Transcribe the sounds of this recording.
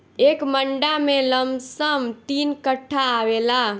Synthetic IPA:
ekməɳɖameləmbsəmt̪inkəʈʰːaːʋela

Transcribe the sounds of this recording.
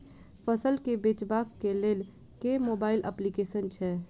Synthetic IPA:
fəsəlkebeːt͡ʃbaːkːeleːl | keːmoːbaːɪlʔə̰plikeːʃənt͡ʃʰɛː

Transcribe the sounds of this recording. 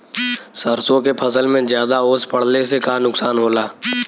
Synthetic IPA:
səɾsõkepʰɐsəlmẽzjaːd̪aoːspəɽ̤lesekaːnʊksaːnɦoːlaː

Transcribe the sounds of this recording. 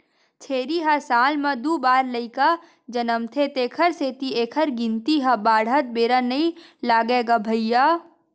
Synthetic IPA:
t͡ʃʰeːɾiɦasaːlmɐ̃d̪ubaːɾləɪka | d͡ʒənəmt̪ʰet̪eːkʰəɾseːt̪ieːkʰəɾɡɪ̃nt̪iɦabaːɽ̤ɦət̪̚beːɾanɐilaːɡeːɡabʱəɪja

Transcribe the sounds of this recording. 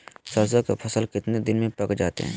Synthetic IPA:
səɾs̬akapʰɐsəlkɪt̪ned̪ɪnmẽpɐkd͡ʒaːt̪ḛɦɛ̰̃ː

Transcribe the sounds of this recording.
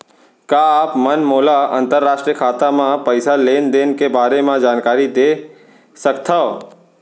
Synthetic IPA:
kjaaːpmənmoːlaə̰̃nt̪əɾːaːʃʈɾijəkʰaːt̪amãpəɪsaleːnd̪eːnkebaːɾemãd͡ʒaːnkaːɾid̪e | səkt̪ʰao

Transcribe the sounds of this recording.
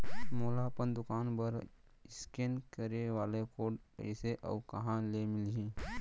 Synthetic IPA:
moːlaːpənd̪ʊkaːnbəɾ | ɪskenkəɾeʋaːlekoːɖ | ɛ̰ɪseʔə̰ːkɐɦãlemɪlɦĩː

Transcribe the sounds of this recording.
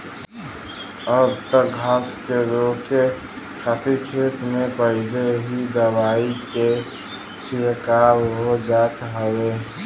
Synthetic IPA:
ɔːɾt̪əɡʱaskeɾoke | kʰat̪ikʰet̪mepəd̪eɦid̪əbaːike | sɪɾkaɾɦod͡ʒaːt̪ɦəwe

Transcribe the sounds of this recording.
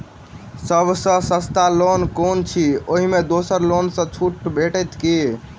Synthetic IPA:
səbʱsə̃sə̃st̪alonkont͡ʃʰioɦimed̪osəɾlonsə̃t͡ʃʰuʈbʱeʈət̪ki

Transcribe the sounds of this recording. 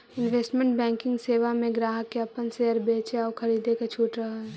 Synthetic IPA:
ɪnʋeːsʈmẽɳʈbɛ̃ːŋkɪ̃ŋɡseːʋamẽɡɾaːɦəkːeɐpənseɦəɾbeːt͡ʃeɔːɾkʰɐɾiːd̪eket͡ʃʰuːʈɾɐɦaɦɛ

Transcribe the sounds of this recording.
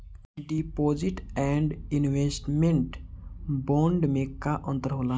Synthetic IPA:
ɖipoːd͡ʒiʈɛɳɖinwesʈmeɳʈbɔ̃ɳɖmẽkaʔə̃nt̪əɾɦola

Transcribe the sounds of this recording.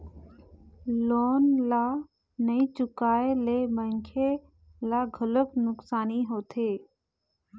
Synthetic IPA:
loːnla | nəĩt͡ʃʊkaːeleːməŋkʰe | laːɡʱələknʊksaːniɦoːt̪ʰeː

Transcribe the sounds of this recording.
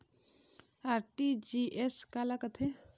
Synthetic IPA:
aɾʈid͡ʒiʔeskalakət̪ʰe

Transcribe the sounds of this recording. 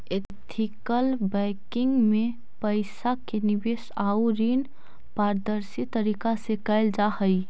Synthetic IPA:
e | t̪ʰikəlbɛkɪŋɡmẽ | pəɪsakenɪbeːsaːuɾiːn | paːɾd̪əɾsit̪ːəɾiːkasekɛɪld͡ʒahəi

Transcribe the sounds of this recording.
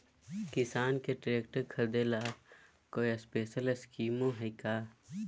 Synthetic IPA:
kɪsaːnkeʈɾeːk̚ʈəɾkʰɐd̪eːlaː | koːiəspeːʃələskiːmõɦɛkaː

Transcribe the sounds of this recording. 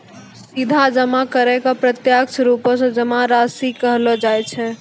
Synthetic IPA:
sid̪ʱad͡ʒəmakəɾɛkɔpɾət̪jakt͡ʃʰɾupõsɔ̃d͡ʒəmaɾasikəɦlɔd͡ʒajt͡ʃʰɛ

